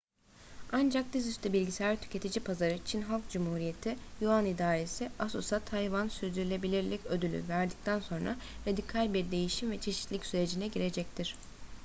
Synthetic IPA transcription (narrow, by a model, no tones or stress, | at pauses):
and͡ʒak̚d̪izyst̪ʰybilʲɟiseæɾt̪ʰy̥cʰe̞t̪ʰid͡ʒipʰazaɾɯt͡ʃʰinɦalˠk̚d͡ʒumhuːɾije̞t̪ʰijuanid̪aːɾesiasosat̪ʰajvansyɾd̪yɾylʲe̞bilʲiɾlʲɛcød̪ylʲy̰væɾd̪ic̚t̪ʰænso̞nɾa̰ɾad̪ikʰalʲbiɾd̪e̞jiʃimvɛt͡ʃʰe̞ʃit̪lʲicsyɾe̞d͡ʒinɛɟiɾe̞d͡ʒɛc̚t̪ʰiɾ̥